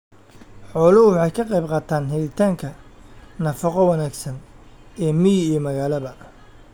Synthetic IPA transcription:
ħɔːlɐhʊwɑħɑjkʰɐqɛjbqɑːt̪ʰaːnɦɛðɪt̪ʰaːŋkʰɐnɐfɑqɔwɑnaːɡsɐnɛːmɪjiːmɐɣaːlɐβɐ

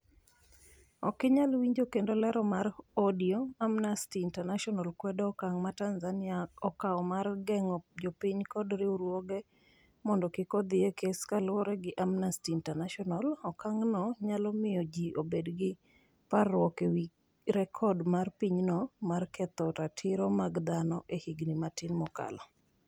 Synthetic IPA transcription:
ɔkɪɲalwiɲd͡ʒokendolɛɾɔmaɾɔdiɔamnastiːntɛnaʃɔnalkwɛdɔkaŋmatanzanɪaɔkaɔmarɡɛŋɔd͡ʒopɪɲkɔdɾɪuɾwɔɡɛ | mɔndɔkɪkɔd̪ɪekeskalwɔɾɛɡɪʔamnastiːntanaʃɔnalɔkaŋnɔɲalɔmɪjɔd͡ʒiʔobedɡɪ | parːwɔkewi | ɾɛkʰɔdmarpiɲnɔmarkɛt̪ɔtatʰɪɾɔmaɡd̪anɔʔehiɡnimatɪnmɔka̰lɔ

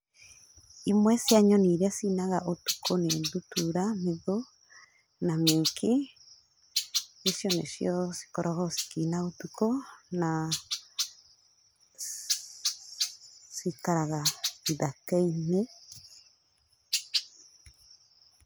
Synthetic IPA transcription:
imwɛsjaɲɔniɾɛsinaɣaʔotu̥kʰonendutuɾam̥eðo | namekʰi | isjɔnḛsjɔsi̥kɔɾʔɔhɔsi̥kinaotukona | sikaɾaɣaiðakɛine

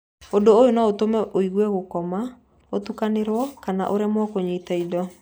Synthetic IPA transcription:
odoːjonaotomɛʔoiɣwɛɣokɔma | otukaneɾwɔkana̰ʔoɾemwɔkoɲeitaidɔ

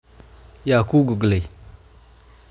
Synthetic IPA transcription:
jakuɡuɡle

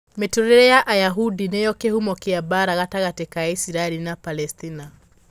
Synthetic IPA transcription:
metuɾeɾɛjaʔajaɦudinejɔkehumɔkeabaɾaɣataɣatekaaisiɾaɛlinapalɛstina

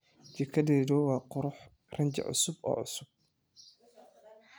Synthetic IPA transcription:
d͡ʒɪkʰɐd̪ɛːd̪ɔwɑːqʊɾʊħ | rɐɲd͡ʒɐ̰ʕʊ̰sʊbɔ̰ːʕʊ̰sʊb̚

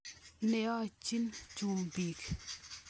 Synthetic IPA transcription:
newat͡ɕint͡ɕompik̚

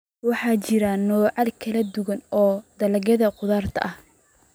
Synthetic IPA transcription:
wɑħɑːt͡ʃɪɾɐnɔːʕɑlkʰɐlɐd̪ʊɣɐnɔːd̪ɐlɐɣɐðɐqʊðaːrt̪ʰɐ̰ʔɐh

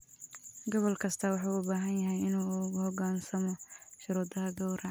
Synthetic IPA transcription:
ɡɔβɔlkʰɐst̪ʰɐwɑħuːʊbaːɦɐnjɐɦɛjɪnuːhɔɡaːnsɐmɔʃʊɾuːd̪ɐɦɐɡɔwɾɐ

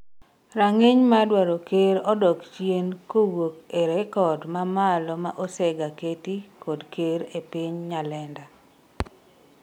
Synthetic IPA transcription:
ɾaŋeɲmadwaɾokeɾɔdɔkt͡ʃjenkowokeɾekɔdmamalɔmaʔosɛɡaketikodkeɾepiɲɲalɛnda

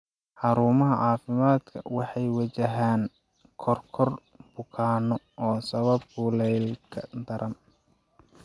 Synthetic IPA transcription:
ħɑɾuːmɐɦɐʕɑːfɪmaːd̪kʰɐ̰wɑħɑjwɐt͡ʃɐɦaːn | kʰɔrkʰɔr | bʊkʰaːnɔ | ɔːsɐβɐb̚ɡuːlɛjlkʰɐd̪ɐɾʔɐn

